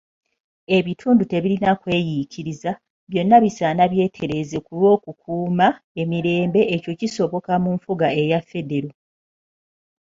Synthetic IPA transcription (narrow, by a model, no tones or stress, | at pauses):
e̞βitʰuːndute̞βilinakwe̞ːjicʰiɾiza | βjo̞nːaβisaːnaβje̞ːtʰeɾe̞ze̞kulwo̞ːkukʰuːma | e̞miɾe̞ːmbe̞ʔːco̞ciso̞βo̞kamuɱfuɡae̞jafːe̞de̞ɾo